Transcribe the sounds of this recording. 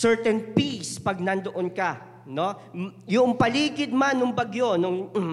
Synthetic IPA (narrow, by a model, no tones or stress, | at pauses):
sɛɹt̪ɛnpispɐɡ̚nɐnd̪oʔonka | no̞jʊŋpɐliːɡɪd̪̚manːʊŋbɐɡjo̞nʊŋ